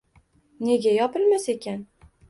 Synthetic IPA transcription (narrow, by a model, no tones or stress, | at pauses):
ne̞ɡʲajɒpɪlmase̞kʲan